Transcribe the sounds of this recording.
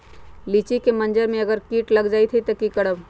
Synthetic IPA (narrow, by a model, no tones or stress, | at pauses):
liːt͡ʃikemɐ̃nd͡ʒəɾmẽɐɡəɾkiːʈlɐɡd͡ʒaːit̪ʰit̪ɐkikɐɽəb